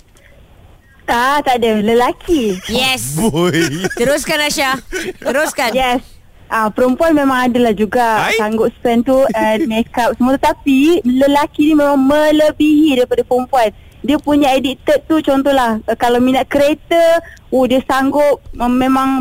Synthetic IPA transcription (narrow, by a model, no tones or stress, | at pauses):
at̪adələlakʰijɛsbojt̪əɾʊskanaʃat̪əɾʊskanjɛs | ʔapəɾəmpuanmemãŋadəlahd͡ʒuɡasaŋɡʊp̚spɛnt̪uɛnmekap̚səmuəat̪ət̪apiləlakinimẽmãŋmələbiɦidaɾipadapəɾəmpuan | diəpuɲaedit̪ət̪̚t̪ːut͡ʃɔnt̪ɔhlahkalawminaʔ̪̚kəɾet̪əodiəsaŋɡʊp̚mːemãŋ